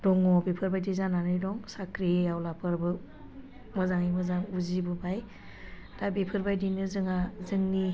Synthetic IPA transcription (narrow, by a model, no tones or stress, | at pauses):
d̥ɔŋɔbepʰɯɾbajdizananɯjdɔŋsakʰɾijawlapʰɯɾbɯ | mɯzaŋimɯzaŋuzibɯbaj | d̥abepʰɯɾbajdinɯzɯŋazɯŋni